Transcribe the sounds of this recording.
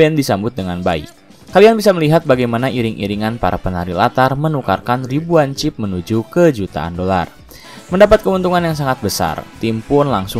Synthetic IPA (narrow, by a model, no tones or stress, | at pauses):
bɛndisambʊt̪̚dəŋanbaḭ | kalianbisaməliɦat̪̚baɡajmanaiɾɪŋʔḭɾiŋanpa̰ɾʔa̰pənaɾilat̪armənuka̰rkanribuant͡ʃɪp̚mənud͡ʒukəd͡ʒut̪a̰a̰ndola̰r | məndapat̪̚kəunt̪uŋanjaŋs̬aŋat̪̚bəsa̰rt̪impʊnlaŋsʊ